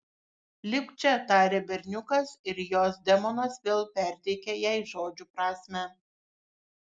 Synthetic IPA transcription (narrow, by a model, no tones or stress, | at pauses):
lʲɪkt͡ʃʲɛt̪ɑːɾʲeːbʲɛɾʲnʲʊkɐsɪɾjoːsd̪ʲɛmɔnɐsʋʲeːlˠpʲɛˑɾʲt̪ʲɛɪkʲɛjɛɪʒoːd͡ʒʲupɾɑːsʲmʲæ